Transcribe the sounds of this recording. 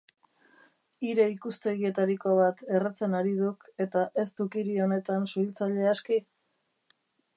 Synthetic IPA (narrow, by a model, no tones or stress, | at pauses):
iɾe̞ikust̪e̞ɣie̞t̪aɾiko̞β̞at̪e̞rat͡se̞naɾið̞uke̞t̪aʔe̞st̪ukiɾio̞ne̞t̪ansuilt͡saʎe̞aski